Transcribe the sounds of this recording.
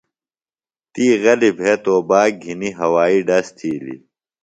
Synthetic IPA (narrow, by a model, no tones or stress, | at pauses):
t̪iːɣɐlibʱeːt̪oːbaːk̚ɡʱiniɦɐwaːiɖɐst̪ʰiːlḭ